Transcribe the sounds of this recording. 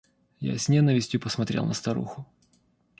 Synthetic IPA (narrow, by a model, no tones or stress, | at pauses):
ja̰sʲnʲɛnəvʲɪsʲtʲjʊpəsmɐt̪ɾʲe̞̰lˠnəst̪ɐɾṵxʊ